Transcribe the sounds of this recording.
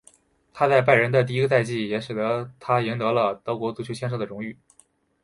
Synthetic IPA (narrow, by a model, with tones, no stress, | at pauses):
t̪ʰa˥t͡sa˥˧ɪp̬a˥˩ɪɻə˧˥nd̪ə˧t̪̬i˥˩i˥ɡə˧t͡sa˥˧ɪt͡ɕi˥˩jɛ˧˥ʂɻ̩˨˩d̪ɤ˧˥t̪ʰa˥ji˧˥nt̪ɤ˧˥lə˧t̪ɤ˧˥ʊkwɔ˧˥t͡su˥t͡ɕʰo˧˥ʊɕjɛ˥nʂɤ˥˩d̪ə˩ɻʊ˧˥ŋy˥˩